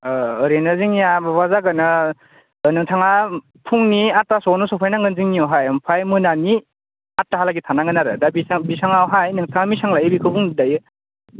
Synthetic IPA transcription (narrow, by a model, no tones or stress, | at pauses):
ɾenɯziŋijabbazaɡanɯ | nɯŋtʰaŋa | pʰuŋniatasɔnɔsɔpʰajnaŋɡɯnziŋniɔɦajɯmpʰajmɯnani | atːaɦalaɡitʰanaŋɡɯnaɾɯdabisaŋbisaŋawɦajnɯŋtʰaŋamisaŋlajɯbikʰɯbuŋdajɯ